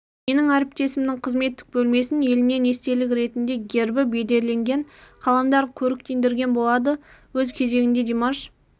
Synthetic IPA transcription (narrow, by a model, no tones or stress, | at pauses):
me̞nɪŋæɾɪp̚t̪e̞sɪmnɪŋqʰəzme̞t̪ːɪ̥k̚bɵlme̞sɪnje̞lɪne̞ne̞st̪e̞lɪkʲɾe̞t̪ɪnd̪e̞ɡʲe̞ɾbɪbe̞d̪e̞ɾle̞ŋɡʲe̞ɴqʰɑlˠɑmd̪ɑɾkʲʰɵɾɪk̚t̪e̞nd̪ɪɾɡʲe̞nbo̞lˠɑd̪ə | wɵzkʲʰe̞ze̞ɡʲɪnd̪e̞d̪emaʃ